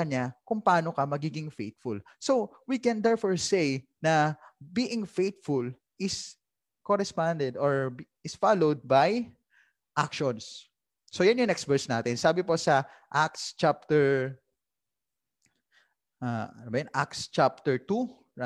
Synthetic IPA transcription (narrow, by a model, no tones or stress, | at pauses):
ɐɲakʊŋpɐaːno̞kɐmɐɡiːɡɪŋfejt̪̚fʊl | so̞ | wikɛ̃nd̪ɛɹfɔɹsej | nɐbiːʔɪŋfejt̪̚fʊl | ʔɪs | koɾɛspand̪ɛd̪oɹb | ɪsfalowd̪̚baj | ʔakʃɔnsː | ojanjʊŋnɛkst̪vɛɹsnaːt̪ɛnsaːbɪposɐ | ʔakst͡ʃap̚t̪ɛɹ | ʔaanobɐjanʔakst͡ʃap̚t̪ɛɹt̪u | a